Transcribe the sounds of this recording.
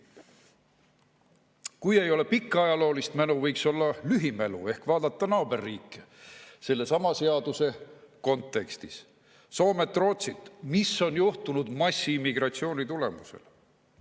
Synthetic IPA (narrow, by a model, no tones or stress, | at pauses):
kuje̞jo̞le̞pikːɑjɑlo̞ːlist̪mænuvɤjkso̞lːɑlyɦimelṵe̞hkvɑːd̪ɑt̪ˑːɑnɑːb̥e̞rːiːkːˑese̞lːe̞sɑmɑse̞ɑd̪use̞ko̞nt̪ːˑe̞kst̪is | so̞ːme̞t̪ːˑro̞ːt̪sit̪ːˑmisːo̞njuht̪unud̪mɑsʲːiimːiɡrɑt̪sio̞ːnʲit̪ule̞̰muse̞̰l